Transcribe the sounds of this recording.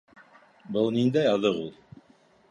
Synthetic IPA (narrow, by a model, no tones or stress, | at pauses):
bɤlˠnind̪æjɑðɤʁulˠ